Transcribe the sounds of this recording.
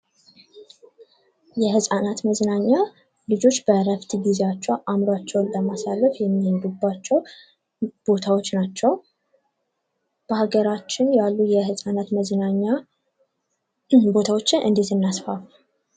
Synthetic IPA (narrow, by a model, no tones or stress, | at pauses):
jɛhɨsʼanat̪məznaɲːa | lɨd͡ʒo̞t͡ʃːb̥əɾəβt̪ʰiɡizeat͡ʃːɛwʔamɾat͡ʃːɛwnləmasalːəfjɛmːihənd̪ubːat͡ʃːɛw | b̥o̞t̪ʰawo̞t͡ʃːnat͡ʃːɛw | b̥əhaɡəɾat͡ʃːɪnjalːujɛhɨsʼanat̪məznaɲːa | bo̞t̪ʰawo̞t͡ʃːɪnʔɨ̰nd̪et̪ɨnːasfaf